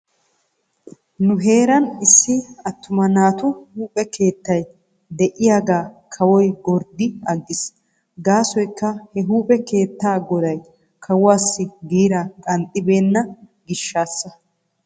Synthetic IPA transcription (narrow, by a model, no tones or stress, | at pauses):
nʊɦe̞ːɾɐnɪsːɪɐt̪ːʊmɐnaːt̪ʊhuːpʼɛkʰe̞ːt̪ːɐj | d̪ɛʔɪjaːɡaːkʰɐwɔjɡɔɾd̪ɪɐɡːɪs | ɡaːsɔjkːɐhɛɦuːpʼɛke̞ːt̪ːaːɡɔd̪ɐj | kʰɐwʊaːsːɪɡiːɾakʼɐnt̪ʼːɪbe̞ːnːɐ | ɡɪʃːaːsːɐ